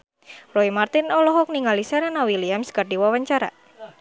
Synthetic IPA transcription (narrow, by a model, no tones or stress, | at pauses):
roimart̪inɔlɔɦɔk̚niŋalisɛɾɛnawiliamsɡarɖiwawaɲt͡ʃaɾa̰